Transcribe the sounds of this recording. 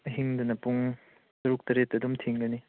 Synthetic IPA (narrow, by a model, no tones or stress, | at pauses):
ɦiŋdunɐpuŋ | sɐɾuk̚tɐɾetːɐdumtʰiŋɡɐni